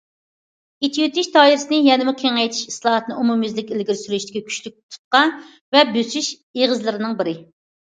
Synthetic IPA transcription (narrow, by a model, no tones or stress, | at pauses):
it̪ʰijyt̪ʰyʃt̪ʰɑːiɾɪsɨnɪjɛnɪmɪqʲʰeŋɛjt̪ʰi̥ʃislˠɑːɑt̪ʰnɨumumjyzlɪkʲɪlɡʲiɾsyɾyʃd̪ɪ̥kʲikʲʰy̥ʃlyk̚ʲt̪ʰu̥t̪̚qɑ | vɛbøsyʃ | eʁəzlˠɨɾɪnɨŋbɪɾɪ